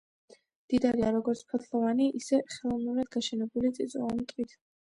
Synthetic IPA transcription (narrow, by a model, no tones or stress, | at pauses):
md̪̥id̪aɾiaɾɔɡɔɾt̪sʰpʰɔt̪ʰlˠɔvaniʔisɛχɛlˠɔvnuɾad̪̚ɡaʃɛnɛbulit̪sʼḭt̪sʼɔmt̪ʼit̪ʰ